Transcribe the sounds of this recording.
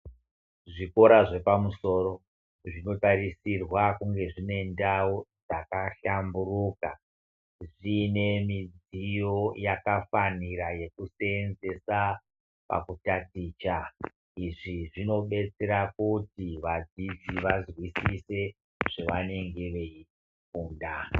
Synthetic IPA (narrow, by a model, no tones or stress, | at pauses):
ʐiko̞ɾaʐe̞pamuso̞ːɾo̞ | ʐino̞taɾisirwakuŋɡe̞ʐine̞ndawod͡zakaɬamburuːka | ʐine̞mid͡zijo̞jakafaniraje̞kuseenze̞sa | pa̰kutatiːt͡ʃa | iʐiʐino̞ɓe̞t͡se̞ɾakutiʋad͡zid͡ziʋazwisise̞ | ʐ̥eʋane̞ŋɡe̞ʋe̞i | fuːnda